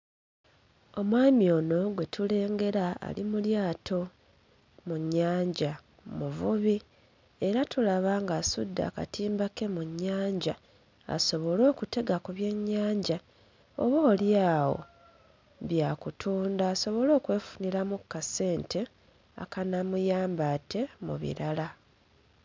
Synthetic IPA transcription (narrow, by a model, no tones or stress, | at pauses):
o̞mwaːmio̞ːno̞ɡwe̞tʰule̞ːŋɡe̞ɾaa̰limuljaːtʰo̞ | muɲːaːɲɟa | muvuβi | eɾatulaβaŋɡaːsudːa̰ːka̰tiːmbake̞muɲːaːɲɟa | a̰so̞βo̞lo̞ːkute̞ɡakuβje̞ɲːaːɲɟa | o̰βoːljaːwo̞̰ | βjaːkutʰuːndaːso̞βo̞lo̞ːkwe̞ːfu̥niɾamukːase̞ːntʰe̞ | a̰kanamujaːmbate̞mṵβḭɾala